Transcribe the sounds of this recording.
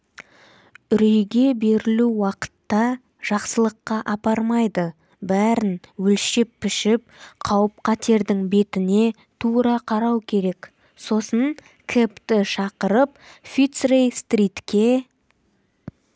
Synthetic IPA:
ʏɾejɡʲe̞be̞ɾɪluwɑqə̥t̪ːɑ | ʒ̥ɑqsəlˠəqːɑʔɑpɑɾmɑjd̪ə | bæɾɪnwɵlʃepːɪʃɪp̚qʰɑwəp̚qʰɑt̪e̞ɾd̪ɪŋbe̞t̪ɪne̞ | t̪ʰuɾɑqʰɑɾɑwkʲʰe̞ɾe̞k | so̞səɴ | kʲʰept̪ɪʃɑqəɾəpfit̪srejst̪rit̪kʲe̞

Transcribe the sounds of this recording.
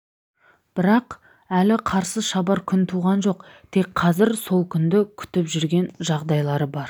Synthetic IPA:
b̥ɪɾɑq | ælɪqʰɑɾsəʃɑbɑɾkʲʰʏnt̪ʰuʁɑnʒo̞qt̪ʰe̞kqʰɑzɪɾso̞lˠkʲʰʏnd̪ɪkʲʰʏ̥t̪ɪpʒʏɾɡʲe̞nʒɑʁd̪ɑjlˠɑɾəbɑɾ

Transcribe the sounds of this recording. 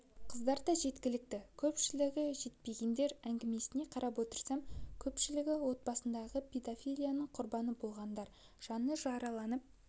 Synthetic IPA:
qʰəzd̪ɑɾd̪ɑʒe̞t̪kʲɪlɪk̚t̪ɪkʲʰɵpʃɪlɪɡʲɪʒe̞t̪̚pe̞ɡʲe̞nd̪e̞ɾæŋɡʲɪme̞sɪne̞qʰɑɾʔɑpwo̞t̪əɾsɑmkʲʰɵpʃɪlɪɡʲɪwo̞t̪̚bɑsənd̪ɑʁəpʰʲed̪afʲijlʲijanəɴqʰʊɾbɑnəbolˠʁɑnd̪ɑɾ | ʒ̥ɑnəʒɑɾɑlˠɑnəp̚

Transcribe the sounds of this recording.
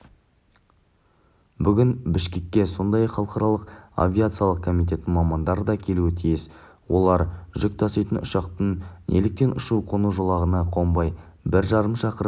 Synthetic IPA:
bʏɡʲɪnbɪʃkʲe̞k̚ʲːe̞so̞nd̪ɑjɑχɑlˠqɑɾɑlˠəqa̰vʲijat̪sɨjalˠəq̚kʰomijt̪̬ʲe̞t̪ːɪmɑmɑnd̪ɑɾəd̪ɑkʲʰe̞luɪt̪ʰijɪs | wo̞lˠɑɾʒʏk̚t̪ʰɑsejt̪ənʊʃɑqt̪ənelɪk̚t̪e̞nʊʃuqʰo̞nuʒolˠɑʁənɑqʰo̞mbɑj | bɪɾʒɑɾəmʃɑqəɾ

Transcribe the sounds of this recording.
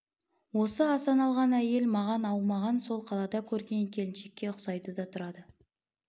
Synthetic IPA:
wo̞səɑsɑnɑlˠʁɑnæje̞lmɑʁɑnɑwmɑʁɑnso̞lˠqʰɑlˠɑd̪ɑkʲʰɵɾɡʲe̞ŋkʲʰe̞lɪnʃe̞kʲːe̞qʰʊ̥sɑjt̪əd̪ɑt̪ʰʊɾɑd̪ə

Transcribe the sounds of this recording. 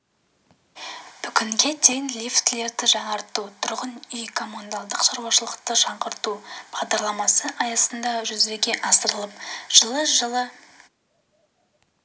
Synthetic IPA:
b̥ʏkʲɪŋɡʲe̞d̪ʰe̞jɪnlʲift̪le̞ɾd̪ɪʒɑɴɑɾt̪ut̪ʰʊɾʁənejkʰo̞mond̪alˠd̪əqʃɑɾuwɑʃəlˠəqt̪əʒɑɴʁəɾt̪ub̥ɑʁd̪ɑɾlˠɑmɑsəʔɑjɑsənd̪ɑʒʏzbe̞ɡʲe̞ʔɑsəɾəlˠəp̚ʒ̥əlˠəʒəlˠə

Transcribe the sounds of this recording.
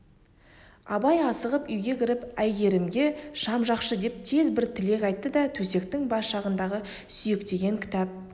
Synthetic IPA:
ɑ̰bɑjɑsəʁəpʏjɡʲe̞kʲʰɪɾɪpæjɡʲe̞ɾɪmɡʲe̞ʃɑmʒɑqʃəd̪e̞p̚t̪ʰe̞zbɪɾt̪ʰɪle̞kɑjt̪ːəd̪ɑt̪ʰɵse̞k̚t̪ɪŋbɑsʃɑʁənd̪ɑʁə | sʏjɪkt̪e̞ɡʲe̞ŋkʲʰɪ̥t̪ɑp̚

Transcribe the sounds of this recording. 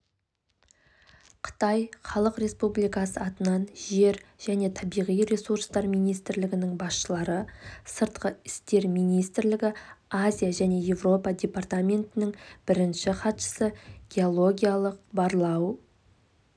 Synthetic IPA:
qʰə̥t̪ɑjχɑlˠəqɾe̞spublˠijkɑsəɑt̪ənɑnʒe̞ɾʒ̥æne̞t̪ʰɑbijʁijɾe̞suɾst̪ɑɾmijnijst̪ɪɾlɪɡʲɪnɪŋbɑsʃəlˠɑɾəsəɾt̪qəɪst̪e̞ɾmijnijst̪ɪɾlɪɡʲɪazʲijaʒæne̞je̞vro̞pɑdʲe̞part̪amʲe̞nt̪ɪnɪŋb̥ɪɾɪnʃɪχɑt̪ʃə̥səɡʲe̞o̞lˠo̞ɡʲijalˠəq̚bɑɾlˠɑw

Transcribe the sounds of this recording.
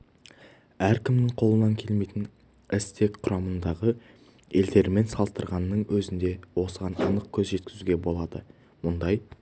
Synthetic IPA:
æɾkʲʰɪmnɪɴqʰo̞lˠənɑŋkʲʰe̞lme̞jt̪ɪn | ɪst̪ʰe̞kqʰʊɾɑmənd̪ɑʁə | e̞ld̪e̞ɾme̞nsɑlˠəst̪əɾʁɑnːəɴwɵzɪnd̪e̞wo̞səʁɑnɑ̰nəq̚kʲʰɵzʒe̞t̪̚kʲɪzuɡʲe̞bo̞lˠɑd̪ə | mʊnd̪ɑj

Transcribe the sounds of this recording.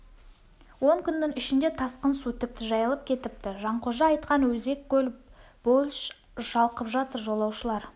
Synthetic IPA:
wo̞ŋkʲʰʏnːɪŋʏʃɪnd̪e̞t̪ʰɑsqənsut̪ʰɪk̚t̪ɪʒɑjɑlˠəp̚kʲʰe̞t̪ɪp̚t̪ɪʒɑɴqʰoʒɑːjt̪̚qɑnwɵze̞kʲkʲːɵl | b̥olˠʃ | ʒ̥ɑlˠqəpʒɑt̪əɾʒo̞lˠɑwʃəlˠɑɾ

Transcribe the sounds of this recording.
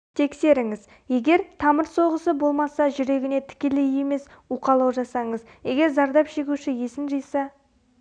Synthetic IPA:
t̪ʰe̞kse̞ɾɪŋɪz | je̞ɡʲe̞ɾt̪ʰɑməɾso̞ʁəsəbo̞lˠmɑsɑʒʏɾe̞ɡʲɪne̞t̪ʰɪ̥kʲe̞leje̞me̞suqɑlˠɑwʒɑsɑɴəz | je̞ɡʲe̞ɾzɑɾd̪ɑpʒe̞ɡʲuʃɪje̞sɪnʒijsɑ

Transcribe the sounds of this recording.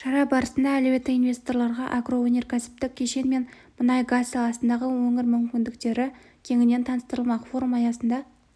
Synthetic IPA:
ʃɑɾɑbɑɾəsənd̪ɑælebe̞t̪ːɪinvʲest̪o̞ɾlˠɑɾʁɑʔaɡro̞wenʲe̞ɾkʲʰæsɪ̥p̚t̪ɪk̚ʲʰːe̞ʃe̞nme̞n | mənɑjɡazːɑlˠɑsənd̪ɑʁəwɵŋɪɾmʏmkʲɪnd̪ɪkt̪e̞ɾɪ | kʲʰe̞ŋɪne̞nt̪ʰɑnəst̪əɾəlˠmɑqfo̞ɾumɑjɑsənd̪ɑ

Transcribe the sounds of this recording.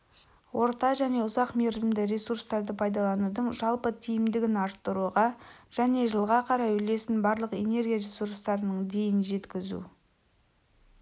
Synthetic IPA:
wo̞ɾt̪ɑʒæne̞ʊzɑqme̞ɾzɪmd̪ɪɾʲe̞suɾst̪ɑɾd̪əpʰɑjd̪ɑlˠɑnud̪əɴʒɑlˠpət̪ʰijɪmd̪ɪɡʲɪnɑɾt̪ːəɾuʁɑʒ̥æne̞ʒəlˠʁɑqʰɑɾɑjʏle̞sɪnbɑɾlˠəqe̞̰ne̞ɾɡʲijaɾesuɾst̪ɑɾənəɴd̪e̞jɪnʒe̞t̪kʲɪzṵ

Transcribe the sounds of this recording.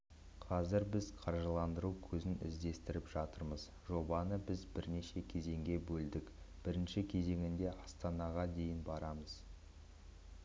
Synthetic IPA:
qʰɑzɪɾbɪzqʰɑɾʒəlˠɑnd̪əɾukʲʰɵzɪnɪ̰zd̪e̞st̪ɪɾɪpʒ̥ɑt̪əɾməz | ʒo̞bɑnəbɪzbɪɾne̞ʃe̞kʲʰe̞ze̞ŋɡʲe̞bɵld̪ɪk | b̥ɪɾɪnʃɪkʲʰe̞ze̞ŋʲɪnd̪e̞ʔɑst̪ɑnɑʁɑd̪e̞jɪnbɑɾɑməz̥

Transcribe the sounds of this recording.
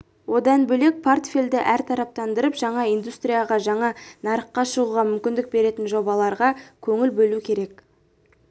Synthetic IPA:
wo̞d̪ɑnbɵle̞k̚pʰort̪fʲeld̪ɪʔæɾt̪ʰɑɾɑp̚t̪ɑnd̪əɾəpʒ̥ɑɴɑijnd̪ust̪rijɑʁɑʒɑɴɑnɑɾəqːɑʃəʁuʁɑmʏmkʲɪnd̪ɪk̚be̞ɾe̞t̪ɪnʒo̞bɑlˠɑɾʁɑkʲʰɵŋɪlbɵlukʲʰe̞ɾe̞k̚

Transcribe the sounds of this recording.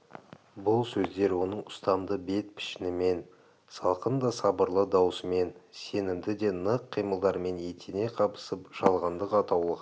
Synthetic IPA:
bʊlˠsɵzd̪e̞ɾwo̞nəɴʊst̪ɑmd̪əbe̞t̪̚pʰɪ̥ʃɪnɪme̞n | sɑlˠqənd̪ɑsɑbəɾlˠəd̪ɑwsəme̞nse̞nɪmd̪ɪd̪e̞nəqʰːijməlˠd̪ɑɾme̞ne̞t̪ʰene̞qʰɑpə̥səpʒ̥ɑlˠʁɑnd̪əqɑt̪ɑwlˠəʁ

